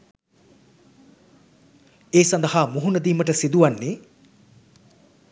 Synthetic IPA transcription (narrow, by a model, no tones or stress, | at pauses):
eːsɐnd̪ɐhaːmuɦunɐd̪iːməʈəsid̪uʋanːeː